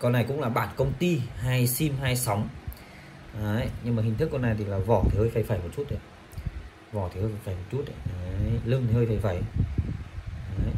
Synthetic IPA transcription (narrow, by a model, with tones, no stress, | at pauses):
kɔ˧nːa˨˩jkʊ̰˧˥ŋ͡mlaː˨˩ɓaː˨˩nkə˧wŋ͡mt̪i˧haː˧jsi˧mɦaː˧jsa˨˦wŋ͡m | ʔːɲɨ˧ŋmaː˨˩ɦi̟˨˩ɨ˦˥kːɔ˧nːa˨˩jt̪ʰi˨˩laː˨˩vɔ̰˧˩t̪ʰi˨˩həː˧jfa˨˧˩jfaː˨˩jmo˨˩t̚t͡ɕu˦˥t̚ʔa˧˨ | vɔ˧˩t̪ʰi˨˩həː˧jfa˨˧˩jfaː˨˩jmo˨˩t̚t͡ɕu˦˥t̚ə˨˩˨lɨ˧ənt̪ʰi˨˩həː˧jfa˨˧˩jfa̰ː˧˩j | aː˨˦